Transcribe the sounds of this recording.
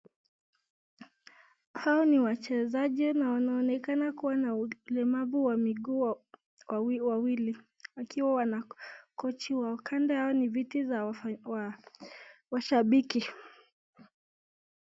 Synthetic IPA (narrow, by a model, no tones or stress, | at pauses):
haɔniwat͡ʃɛzaʄinawanaɔnɛkanakuwanaulɛmavuwamiɡuː | wawili | wakiwawanakɔt͡ʃiwakʰandɛhaɔnivitizawa | waʃaɓiki